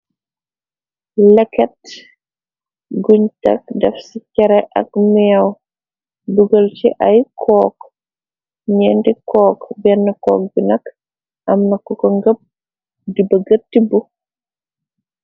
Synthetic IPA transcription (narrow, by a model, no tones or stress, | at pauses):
lɛkɛt | ɡuɲtɐ̰k̚dɛfsicɛɾɛʔɐ̰kmɛɐw | buɡəlt͡ʃiʔɐjkʰɔːk | ɲɛːndikɔːkbɛnːəkɔːk̚binɐk | ʔɐmnɐkɔkɔŋɡəp̚ | dibəɡɐtːibu